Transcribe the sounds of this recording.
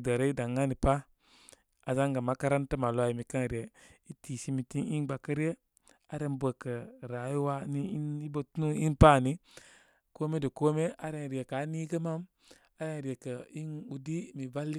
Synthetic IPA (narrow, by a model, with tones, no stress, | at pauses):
də˨ɾe˦i˦da˨ŋa˦ni˨pa˦ | a˨za˦ŋɡa˨ma˨˦ka˦ɾa˦ntə˦ma˨lwa˦ji˨mi˨ka˦ŋɾi˨e˨i˦ti˨si˦mi˨ti˦ni˦nɡ͡ba˨kə˦ɾje˦ | a˨ɾe˦nbə˨kə˨ɾa˨ji˦wa˦ni˦ni˦bo˦tnu˦i˦npa˦˨ni˦ | ko˦me˦də˨ko˦me˦a˨ɾe˦n˨ɾi˨e˨ka˨˦ni˦ɡə˦ma˦m | a˨ɾe˦n˨ɾi˨e˨kə˨i˦nu˨di˦mi˨va˦lːi˦